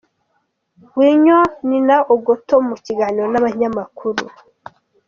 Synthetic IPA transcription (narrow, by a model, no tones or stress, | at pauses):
wiɲoninaʔoɡotomuciɡaːniɾo̞naβaɲamakʰuɾṵ